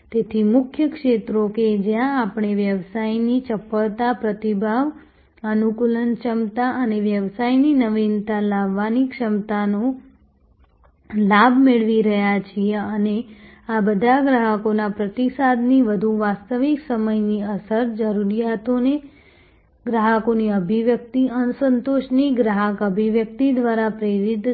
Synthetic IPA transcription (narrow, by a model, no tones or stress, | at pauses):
t̪et̪ʰimʊkʰjəkʂet̪ɾoked͡ʒjãːpɳ̃eʋjəʋsajnit͡ʃəpəɭt̪apɾət̪ibʱaʋ | ənukulənt͡ʃəmt̪aʔəneʋjəʋsajninəʋint̪alaʋːanikʃəmt̪ano | labʱmeɭʋiɾəɦjat͡ʃʰieəne | abəd̪ʱaɡɾaɦəkonapɾət̪isad̪niʋəd̪ʱuʋast̪əʋiksəməjniəsəɾd͡ʒəɾuɾijat̪one | ɡɾaɦəkoniəbʱiʋjək̚t̪iənsənt̪oʃniɡɾaɦəkəbʱiʋjək̚t̪id̪ʋaɾapɾeɾid̪